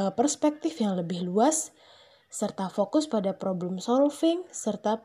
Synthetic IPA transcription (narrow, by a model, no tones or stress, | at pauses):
pərspɛk̚t̪ɪfjaŋləbɪhluasː | ərt̪afokʊspadapɾoblɛmsɔlfɪŋsərt̪a